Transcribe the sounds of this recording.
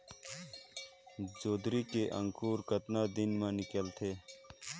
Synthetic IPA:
d͡ʒoːd̪ɾikeʔɐ̃ŋkuːɾkət̪naːd̪inmãnɪkəlt̪ʰeː

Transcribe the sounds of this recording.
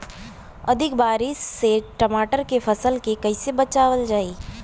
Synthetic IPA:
ɐd̪ʱɪk̚baːɾɪʃːeʈɐmaːʈəɾkefʰɐsəlkekɐɪsebɐt͡ʃaːʋəld͡ʒaːiː

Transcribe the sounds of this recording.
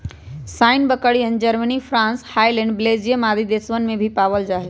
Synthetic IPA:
saːɪnbəkəɽiɦənɪ̆d͡ʑəɾmənifɾãːnshaːilɛ̃ɳɖbɪleːd͡ʑijəmaːd̪ʱid̪eːsʋənɪ̆mẽbʱipaːʋəld͡ʒaːɦe

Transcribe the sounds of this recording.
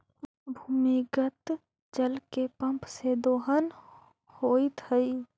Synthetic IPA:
bʱuːmiɡət̪ | d͡ʒəlkepə̃mpsed̪oːɦən | hoːit̪ʰəi

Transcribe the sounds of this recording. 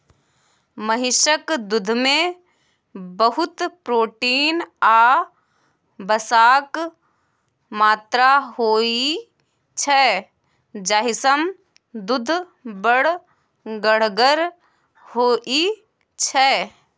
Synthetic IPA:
məɦɪʃəkd̪ʊd̪ʱmẽ | bəɦʊt̪pɾoːʈiːnaː | bəsaːk | maːt̪ɾaɦoːi | t͡ʃʰɛ | d͡ʒaːɦɪsəm | d̪ʊd̪ʱ | bəɽ̤ | ɡəɽ̤ɡəɾ | hoːʔi | t͡ʃʰɛ

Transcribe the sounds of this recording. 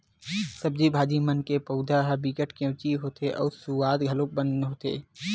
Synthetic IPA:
səb̚d͡ʒibʱaːd͡ʒimənkepəʊd̪aɦbiːkəʈʰkẽːt͡ʃiɦoːt̪eʔɔ̰ːɾsuaːd̪ɡʱəloːk̚bənɦoːt̪ḛː

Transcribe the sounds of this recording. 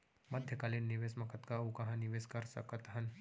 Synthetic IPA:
məd̪ʱjəkalenːiʋesmɐkət̪kaukɐ̃ɦãniʋeskəɾsə̰kət̪ɦɐn

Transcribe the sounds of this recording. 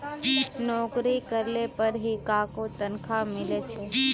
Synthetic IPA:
nɔkɾikəɾlepəɾɦikakot̪ənkʰamɪlet͡ʃʰe

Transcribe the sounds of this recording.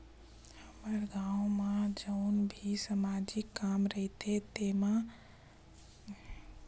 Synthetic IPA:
həməɾɡaːwomad͡ʒəʊnbʱisamad͡ʒɪkːaːmɾəɦit̪et̪ema

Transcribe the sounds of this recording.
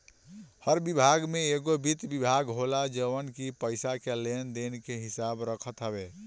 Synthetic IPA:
həɾbibʱaɡmẽeɡobit̪bibʱaɡɦolad͡ʒəʋənkipəɪsakelend̪enkeɦɪsabɾəkʰət̪ɦəbe

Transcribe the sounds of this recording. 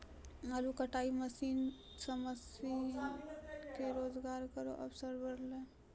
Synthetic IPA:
malukəʈaːiməsiːn | səməsi | keɾoːd͡ʒɡaːɾkəɾo̰ʔə̰bsəɾbəɾle

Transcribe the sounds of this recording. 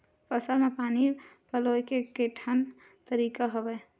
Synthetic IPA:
pəsəlmepanipəlojkekeʈʰən | t̪əɾikaɦobɛ

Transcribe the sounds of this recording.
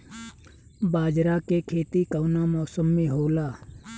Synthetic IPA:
baːd͡ʒɾakekʰeːt̪ikəːnamɔːsəmːeɦoːlaː

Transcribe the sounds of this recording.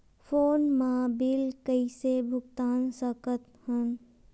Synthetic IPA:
foːnmaːbɪlkəisebʱʊɡt̪aːnsəkət̪̚ | hən

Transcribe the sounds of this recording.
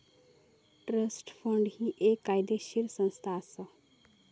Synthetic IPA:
ʈɾəsʈfʰəɳɖhiʔeːkːaːjd̪eʃiɾsə̃nst̪ʰaːsə

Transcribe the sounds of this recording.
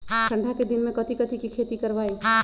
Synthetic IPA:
ʈə̃ɳɖʱaked̪ɪnmẽkɐt̪ikət̪ʰikikʰeːt̪ikɐɾʋaːi

